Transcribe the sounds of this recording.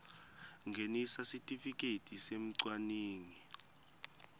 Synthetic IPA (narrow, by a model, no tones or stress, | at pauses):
ŋɡʱenisasitʼifik̬ʼetʼisem̩ǀwaneːni